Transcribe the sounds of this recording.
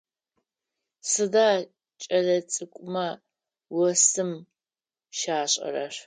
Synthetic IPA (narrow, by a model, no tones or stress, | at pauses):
sɨdaː | t͡ʃʼɐlɐt͡sʼɨkʷʼʊmɐ | wɔsɨm | ʃaːɕʼɐ̰rɐʂ